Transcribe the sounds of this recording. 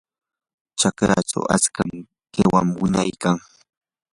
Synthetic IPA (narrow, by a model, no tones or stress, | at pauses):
t͡ʃakɾat͡ʃa̰wʔat͡skam | kewamwʊnajkaŋ